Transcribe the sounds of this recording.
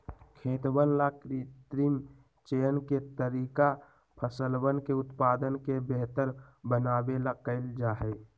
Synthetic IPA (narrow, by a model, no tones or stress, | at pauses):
kʰeːt̪bənlakɾit̪ɾim | t͡ʃeːənket̪əɾiːka | pʰəsəlwənkeʊt̪paːd̪ənkebeɦt̪əɾbənaːbelaɡkəɪld͡ʒaːɦɛ